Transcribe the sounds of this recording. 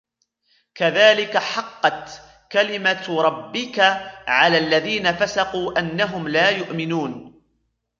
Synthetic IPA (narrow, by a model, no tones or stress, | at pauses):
kaðaːlɪkaħɑqːɑt̪ | kalɪmaɾˤɑbːɪkaʕalaːʔlːaðiːnafasɑquːʔanːaɦʊmlaːjʊʔmɪnuːn